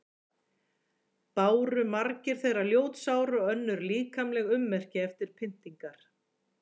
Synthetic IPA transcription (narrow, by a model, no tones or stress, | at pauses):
paːwɾʏmaɾcɪɾ̥θejraljoːwt̪saːwɾʏœnːʏɾliːkamlɛɣʏmːɛr̥cɪɛft̪ɪɾ̥pʰɪn̥t̪iŋkaɾ̥